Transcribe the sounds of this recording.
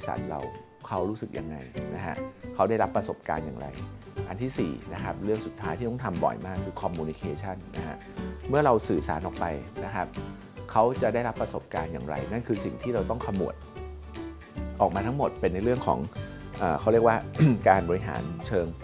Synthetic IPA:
sa̰˨˩t̪̚ɾa̰˧w | kʰa˦˥wɾuː˦˥sɯ˨˩k̚jʔa˧ŋːa̰˧jna˦˥kʰa̰˦˥ʔkʰa˦˥wda˥˩jɾa˦˥pːɾa˧so˨˩p̚ka̰ː˧nja̰ː˨˩ŋɾa̰˧jʔa˧nt̪ʰiː˥˩sḭː˨˩na˦˥kʰa˦˥p̚ɾɯ˥˩əŋsu˨˩t̪ʰːaː˦jt̪ʰiː˥˩ɔ˥˩t̪ʰa˧mbɔ̰˨˩jmaː˥˩kʰːɯː˧kʰɔ˧mːuː˧ni˧kʰeː˧t͡ɕʰa˥˩nːa̰˦˥kʰa̰˦˥ | mɯ˥˩ɐɾa˧wsɯː˨˩sa̰ː˩˦nʔɔː˨˩pa˧jna˦˥kʰa˦˥p̚ | kʰa˦˥wt͡ɕa˨˩ʔdaː˥˩jɾa˦˥pːɾa˧so˨˩p̚ka̰ː˧nja̰ː˨˩ŋɾa̰˧jna˥˩nkʰɯː˧si˨˩ŋt̪ʰiː˥˩ɾa˧wt̪ɔ˥˩ŋkʰa˧mːṵ˨˩ət̪̚ | ʔɔː˨˩k̚maː˧t̪ʰa˦˥ŋmo˨˩t̪̚pe˧nːa˧jɾɯ˥˩əŋkʰɔ̰ː˩˦ŋ | ʔəː˨˩kʰa˦˥wɾi˥˩ək̚waː˥˩kaː˧nbɔː˧ɾi˧ɦa̰ː˩˦nt͡ɕʰɤː˧ŋ

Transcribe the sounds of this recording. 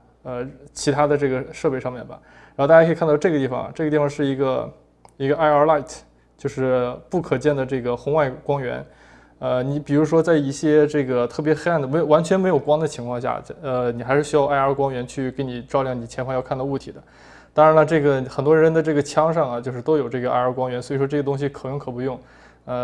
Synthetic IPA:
ə˧t͡ɕʰi˧˥t̪ʰa˥d̪ə˧ʈ͡ʂɤ˥˩ɡə˩ʂɤ˥˧pe˥˧ɪʂɑ˥˧mjɛ˥˩nbɐ̰˩ | ɻa˧˥˧t̪a˥˩ja˥˨˩ʈ͡ʂɡə˩t̪i˥˩fɑ̰˩ŋɐ̰˩ʈ͡ʂɤ˥˩ɡə˧t̪i˥˩fɑ˧ŋʂɻ̩˥˩i˧˥ɡə˧ | i˧˥ɡə˧ʔa˥ɪə˧˥la˥˩ɪt̪ʰ | t͡ɕjo˥˧ʊʂɻ̩˥˧pu˥˩kʰɤ˨˩t͡ɕjɛ˥˩nd̪ə˩ʈ͡ʂɤ˥˩ɡə˩xʊ˧˥ŋwa˥˩ɪkwɑ˥ŋɥɛ̰˧˥n | ə˧ni˧˥pi˨˩ɻu˧˥ʂwɔ˥t͡sa˥˩ɪi˥˩ɕjɛ˥ʈ͡ʂɤ˥˩ɡə˩t̪ʰɤ˥˩p̬jɛ˧˥xe˥a˥˩nd̪ə˩m˧˥jwa˧˥nt͡ɕʰɥɛ˧nme˧˥ɪjo˨˩ʊkwɑ˥ŋd̪ə˨t͡ɕʰi˧˥ŋkʰwɑ˥˧ŋɕ̬ja̰˥˩ə˧ni˨˩xa˧˥ɪʂɻ̩˥˩ɕy˥jɑ˥˧ʊʔa˥˧ɪə˞˧˥kwɑ˥ŋɥɛ˧˥nt͡ɕʰy˥˩ke˧˥ɪni˨˩ʈ͡ʂɑ˥˧ʊljɑ˥˩ŋni˨˩t͡ɕʰjɛ˧˥nfɑ˥˧ŋjɑ˥˧ʊkʰt̪ɑ˧u˥˩t̪ʰi˨˩d̪ə˦ | t̪ɑ˥ŋɻa˧˥nə˧ʈ͡ʂɤ˥˩ɡə˩xə˨˩nt̪wɔ˥ɻə˧˥nd̪ə˧ʈ͡ʂɤ˥˩ɡə˩t͡ɕʰjɑ˥ŋʂɑ˥˩ŋɐ˩t͡ɕjo˥˧ʊʂɻ̩˥˩t̪o˥ʊjo˨˩ʊʈ͡ʂɤ˥˩ɡə˩a̰˥˩ə˞˧˥kwɑ˥ŋɥɛ˧˥nswɔ˧˥i˨˩ʂwɔ˥ʈ͡ʂɤ˥˩ɡə˩t̪ʊ˥ŋɕ̬i˨˩kʰɤ˨˩nɤ˥ŋkʰɤ˨˩pu˧˥jʊ˥˩ŋ | ə˥˧

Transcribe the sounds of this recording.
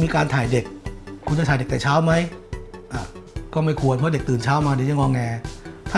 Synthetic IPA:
miː˧kaː˧nt̪ʰaː˨˩jde˨˩k̚ʰːu˧nt͡ɕa˥˩aː˨˩˦de˨˩t̪aː˨˩t͡ɕʰaː˦˥wma˦˥jʔaː˨˩kɔː˥˩ma˥˩jkʰu˧ənpʰɔ˦˥de˨˩k̚t̪ɯː˨˩nt͡ɕʰaː˦˥wmaː˧dɛ˨˩˦ja˥˩ŋɔː˧ŋːʔɛː˧t̪ʰa˥

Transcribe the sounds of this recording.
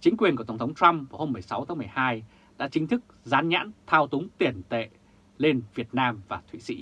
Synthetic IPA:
t͡ɕï˨˦ŋ̟kwi˨˩ənku˧˩t̪ə˧˩ŋ͡mt̪ʰwŋ͡mt̪wa˧mku˧˩ho˧mːɨ˨˩əjsa˨˦wt̪ʰaː˨˦ŋmɨ˨˩əjhaː˧j | ɗa̰ː˧˥t͡ɕï̟˨˦t̪ʰɨ˦˥k̚zaː˨˦nɲa̰ː˧˥nt̪ʰaː˧wt̪ʊ˨˦ŋ͡mt̪i˨˩ənt̪ḛ˧˨ | le˧nvi˨˩ət̚naː˧mvaː˨˩t̪ʰḭ˧˨sḭ˧˥

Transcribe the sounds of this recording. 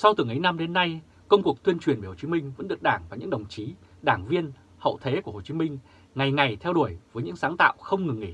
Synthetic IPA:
sa˧wt̪ɨ˨˩əŋʔə˨˦jna˧mɗe˨˦nːa˧j | kə˧wŋ͡mku˨˩ək̚t̪wi˧ənt͡ɕwi˨˩ənve˨˧˩ho˨˩t͡ɕi˨˦mï˧ŋ̟və̰˧˥nɗɨ˨˩ək̚ɗaː˧˩ŋvaː˨˩ɲɨ̰˧˥ŋɗə˨˩wŋ͡mt͡ɕi˨˦ | ɗaː˧˩ŋvi˧ən | hə̰˧˨wt̪ʰe˨˦ku˧˩ho˨˩t͡ɕi˨˦mï˧ŋ̟ | ŋa˨˩jŋa˨˩jt̪ʰɛ˧wɗu˧˩əjvəː˨˦jɲɨ̰˧˥ŋsaː˨˦ŋt̪a̰ː˧˨wxə˧wŋ͡mŋɨ˨˩ŋːʔḭ˧˩

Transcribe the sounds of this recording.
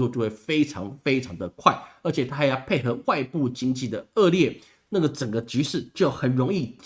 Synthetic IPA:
ɔ˥˧t͡ɕjo˥˧we˥˩ɪfe˥ɪʈ͡ʂʰɑ˧˦˥ŋfe˥ɪʈ͡ʂʰɑ˧˥ŋd̪ə˨kʰwa˥˩ɪə˞˧˥t͡ɕʰjɛ˨˩t̪ʰa˥˨˩jɑ˥˧pʰe˥˩ɪxɤ˧˥wa˥˧ɪpu˥˩t͡ɕi˥ŋt͡ɕi˥˨˩d̪ə˩ə˥˧ljɛ˥˩ | na˥˩ɡə˩ʈ͡ʂə˨˩ŋɡə˦t͡ɕy˧˥ʂɻ̩˥˩t͡ɕo˥˧˥xə˨˩nɻo˧˥ŋi˥˩t͡ɕ

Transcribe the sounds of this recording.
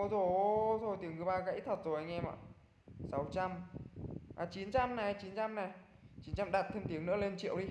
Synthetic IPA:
zo˨˩jt̪ʰo˧˩jt̪i˨˦əŋmɨ˧˩˨jɓaː˧kaː˧˥ʔi˦˥t̪ʰə˨˩t̚zo˨˩ʔa˧jŋʔɛ˧ma̰ː˧˨ | sa˨˦wt͡ɕa˧m | ʔaː˨˩t͡ɕi˨˦nt͡ɕa˧mna˨˩t͡ɕi˨˦nt͡ɕa˧mna˨˩ | t͡ɕi˨˦nt͡ɕa˧mɗaː˨˩t̚t̪ʰe˧mt̪i˨˦əŋnɨ̰˧˥əle˧nt͡ɕḭ˧˨əwɗi˧

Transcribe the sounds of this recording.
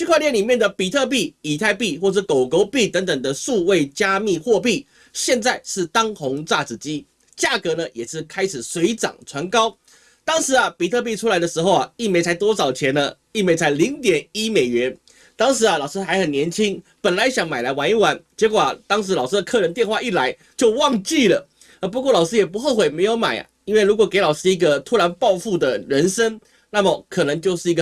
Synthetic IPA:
t͡ɕʰy˥˧kʰwa˥˧ljɛ˥˩nli˨˩mjɛ˥˩nd̪ə˩pi˨˩t̪ʰɤ˥˧p̬i˥˩i˨˩t̪ʰa˥˧ɪpi˥˧xwɔ˥˧ʂɻ̩˥˩ko˨˩ʊko˧˥ʊpi˥˩t̪ə˧˥ŋt̪ə˨˩ŋd̪ə˦ʂu˥˧we˥˩ɪt͡ɕja˥mi˥˧xwɔ˥˧p̬i˥˩ | ɕjɛ˥˧nt͡sa˥˧ɪʂɻ̩˥˩t̪ɑ˥ŋxʊ˧˥ŋt͡sa˥˩t͡sɹ̩˨˩t͡ɕi˦˥ | t͡ɕja˥˩kɤ˧˥nə˧jɛ˨˩ʂɻ̩˥˩kʰa˥ɪʂɻ̩˨˩swe˧˥ɪt͡sɑ̰˨˩ŋʈ͡ʂʰwa˧˥nkɑ˥ʊ | t̪ɑ˥ŋʂɻ̩˧˥˦ɐ˨˧pi˨˩t̪ʰɤ˥˧p̬i˥˧ʈ͡ʂʰu˥la˧˥ɪd̪ə˧ʂɻ̩˧˥xo˥˧ʊɐ˨˩i˥˩me˧ɪt͡sʰa˧˥ɪt̪wɔ˥t͡sɑ˨˩ʊt͡ɕʰjɛ˧˥nə˧ | i˥˩me˧˥ɪt͡sʰa˧˥ɪli˧˥ŋt̪jɛ˨˩ni˥me˨˩ɪɥɛ˧˥n | t̪ɑ˥ŋʂ̬ɻ̩˧˥ɐ˧lɑ˨˩ʊʂ̩˥xa˧˥ɪxə˨˩njɛ˧˥nt͡ɕʰi˥ŋpə˨˩nla˨˧˦ɪɕjɑ˨˩ŋma˨˩ɪla˧˥ɪwa˧˥ni˧˥˩wa˧˥nt͡ɕjɛ˧˥kwɔ˨˩a˨˦t̪ɑ˥ŋʂɻ̩˧˥lɑ˨˩ʊʂ̩˥d̪ə˧kʰɤ˥˩ɻə˧˥nt̪jɛ˥˧nxwa˥˧i˥˩la˧˦ɪ | t͡ɕjo˥˧ʊwɑ˥˧ŋt͡ɕi˥˩lə˩ | ə˧˥p̬u˧˥kwɔ˥˩lɑ˨˩ʊʂɹ̩˥jɛ˨˩pu˧˥xo˥˧ʊxwe˨˩ɪme˧˥ɪjo˧˥ʊma̰˨˩ɪɐ̰˨˩i˥nwe˥˩ɪlu˧˥k̬wɔ˨˩ke˧˥ɪlɑ˨˩ʊʂɻ̩˥˩i˧˥ɡə˧t̪ʰu˥ɻa˧˥npɑ˥˧ʊfu˥˩d̪ə˩ɻə˧˦˥nʂə˥ŋ | na˥˩mə˨˩kʰɤ˨˩nɤ˧˥ŋt͡ɕjo˥˧ʊʂ̩˥˩i˧˥ɡə˧

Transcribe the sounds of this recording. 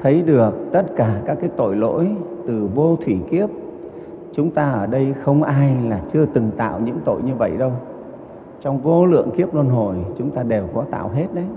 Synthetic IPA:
t̪ʰə˨˦jɗɨ˨˩ək̚t̪ə˦˥t̚kaː˧˩kaː˦˥kːaː˨˦jt̪o̰˧˨jlo̰˧˥jt̪ɨ˨˩vo˧t̪ʰwi˧˩ki˦˥əp̚ | t͡ɕʊ˨˦ŋ͡mt̪aː˧ʔəː˧˩ɗə˧jxə˧wŋ͡mʔaː˧jlaː˨˩t͡ɕɨ˧ət̪ɨ˨˩ŋt̪a̰ː˧˨wɲɨ̰˧˥ŋt̪o̰˧˨jɲɨ˧və̰˧˨jɗə˧w | t͡ɕɔ˧wŋ͡mvo˧lɨ̰˧˨əŋki˦˥əp̚lo˧nɦo˨˩jt͡ɕʊ˨˦ŋ͡mt̪aː˧ɗe˨˩wkɔ˨˦t̪a̰ː˧˨wɦe˦˥t̚ɗə˨˦j

